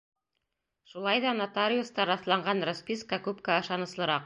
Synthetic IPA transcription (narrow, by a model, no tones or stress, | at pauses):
ʃulˠɑjðɑnat̪aɾʲiust̪ɑɾɑθlˠɑɴɢɑnrospʲiskɑkʉpkæɑʃɑnɤ̆slˠɤ̆ɾɑq̚